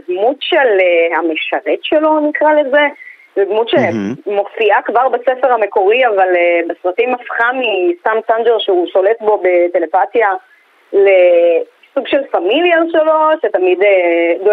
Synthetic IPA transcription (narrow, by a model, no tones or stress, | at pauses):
d̪mut̪ʃelhameʃaʁet̪ʃelo̞nikʁale̞ze̞ | ved̪mut̪ʃemo̞fiakvaʁbasefeʁhame̞ko̞ʁiavalebesʁat̪imafχamist̪amsand͡ʒeʁʃeuʃo̞le̞t̪bo̞bet̪e̞le̞patja | le | suɡʃe̞lfamiljaʃelo̞ʃet̪amid̪edo